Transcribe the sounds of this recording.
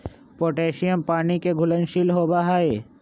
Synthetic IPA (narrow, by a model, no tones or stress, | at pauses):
poʈeʃiəmpaːnikeɡʱulənʃilɦobaɦae